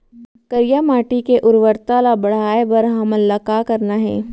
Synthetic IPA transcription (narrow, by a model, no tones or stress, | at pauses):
kəɾjamaːʈikeʔʊɾʋəɾt̪alabɐɽ̤aːebɐɾɦɐməlɐkakɐɾnaɦɛ̰ː